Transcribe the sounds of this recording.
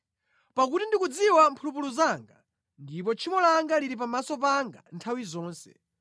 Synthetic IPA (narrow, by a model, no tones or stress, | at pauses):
pak̬utindikud͡ziwampʰulupuluzaːŋɡa | ndipɔt͡ʃʰimɔlaŋɡaliɾipamasɔpaŋɡa̰ntʰawizɔːnsɛ̰